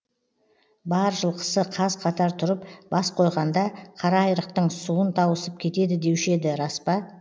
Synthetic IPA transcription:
bɑɾʒəlˠqʰə̥səqʰɑzqʰɑt̪ɑɾt̪ʰʊɾəpb̥ɑsqʰo̞jʁɑnd̪ɑqʰɑɾɑːjɾəq̚t̪əɴsuwənt̪ʰɑwəsəp̚kʲʰe̞t̪e̞d̪ɪd̪e̞wɪʃe̞d̪ɪɾɑspɑ

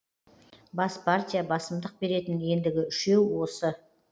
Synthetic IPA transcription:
bɑspʰart̪ʲijabɑsəmd̪əq̚be̞ɾe̞t̪ɪnje̞nd̪ɪɡʲɪʏʃe̞wwo̞sə

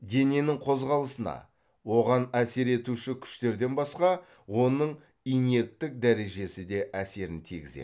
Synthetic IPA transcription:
d̪e̞ne̞nɪŋqʰo̞zʁɑlˠəsənɑ̰ | wo̞ʁɑnæse̞ɾe̞t̪uʃɪkʲʰʏ̥ʃt̪e̞ɾd̪e̞nbɑsqɑ | wo̞nəɴ | ijne̞t̪ːɪk̚d̪æɾe̞ʒe̞sɪd̪e̞ʔæse̞ɾɪnt̪ʰiɡʲɪzḛ

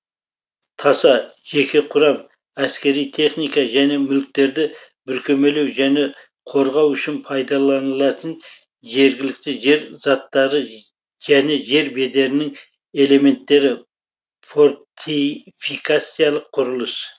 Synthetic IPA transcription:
t̪ʰɑsɑʒe̞kʲe̞qʰʊɾɑm | æskʲe̞ɾijt̪ʰe̞χnijkɑʒæne̞mʏlk̚t̪e̞ɾd̪ɪbʏɾkʲʰeme̞le̞wʒæne̞ | qʰo̞ɾʁɑwʏʃɪnpʰɑjd̪ɑlˠɑnəlˠɑt̪ən | ʒe̞ɾɡʲɪlɪk̚t̪ɪʒe̞ɾz̥ɑt̪ːɑɾə | ʒæne̞ʒe̞ɾbe̞d̪e̞ɾɪnɪŋ | e̞le̞me̞nt̪ːe̞ɾɪ | fo̞ɾt̪ʰifikat̪sijalˠəqʰːʊɾʊlˠəs

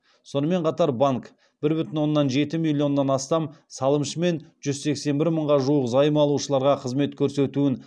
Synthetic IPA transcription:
so̞nəme̞ɴqʰɑt̪ɑɾbaŋk | b̥ɪɾbʏt̪ɪnwo̞nːɑnʒe̞t̪ɪmilʲˠːijo̞nːɑnɑst̪ɑmsɑlˠəmʃəme̞nʒ̥ʏzse̞kse̞mbɪɾməɴʁɑʒuəqzɑjəmɑlˠuʃəlˠɑɾʁɑqʰəzme̞t̪kʲʰɵɾse̞t̪uɪn

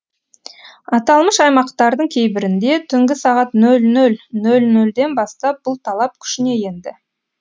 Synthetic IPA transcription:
ɑt̪ɑlˠməʃɑjmɑqt̪ɑɾd̪əɴkʲʰe̞jbɪɾɪnd̪e̞t̪ʰʏŋɡʲɪsɑʁɑt̪nɵlnɵlnɵlnɵld̪e̞nbɑst̪ɑp̚bʊlˠt̪ʰɑlˠɑp̚kʲʰʏ̥ʃɪne̞je̞nd̪ɪ

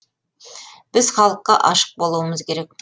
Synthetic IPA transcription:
b̥ɪzχɑlˠəqːɑʔɑʃə̥q̚bo̞lˠuwəməzkʲʰe̞ɾe̞k̚

